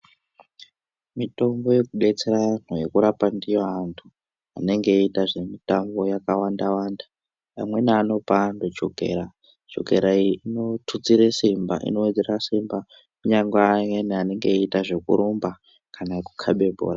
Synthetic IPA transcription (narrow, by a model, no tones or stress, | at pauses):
mito̞mbo̞je̞kuɓe̞t͡seɾan̥ojekuɾapandijoantʰu | a̰ne̞ŋɡeitaʐe̞mitambo̞jakawandawanda | pamwe̞neano̞pandot͡ʃoɡʱe̞̰ːɾa | d͡ʒo̞̰ɡʱe̞̰ɾaiino̞tʰut͡siɾesimba̰ʔḭno̞wed͡zerasimba | kuɲaŋɡweneane̞ŋɡeitaʐe̞kṵɾumba | kanaku̥kʰaɓe̞bʱo̰ːɾa